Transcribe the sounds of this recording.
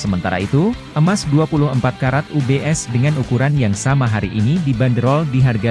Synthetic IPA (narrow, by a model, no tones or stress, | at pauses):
səmənt̪aɾa̰it̪u | əmasduapulʊɦəmpat̪̚kaɾat̪̚ubeʔɛsdəŋanukuɾanjaŋsamaɦaɾiʔinidibandəɾɔldiɦarɡa